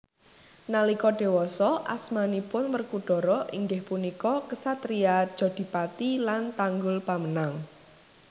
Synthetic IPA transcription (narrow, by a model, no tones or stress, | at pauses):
nalikɔɖ̥e̤wɔsɔʔa̰smanipʊnwərkuɖ̥ɔ̤ɾɔʔiŋɡɪhpunikɔkəsat̪ɾiadd̥ʒ̥ɔ̤d̪̥i̤pat̪ilant̪aŋɡʊlpamənaŋ